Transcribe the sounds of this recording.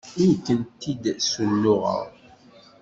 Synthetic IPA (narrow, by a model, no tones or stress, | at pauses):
ijkːənt̪id̪səlːʊʁə̰ʁ